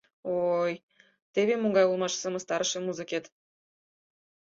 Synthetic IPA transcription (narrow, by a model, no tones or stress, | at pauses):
oj | t̪eβemoŋɡɑjolˠmɑʃsə̆mə̆st̪ɑɾə̆ʃĕmuzɨkʲet̪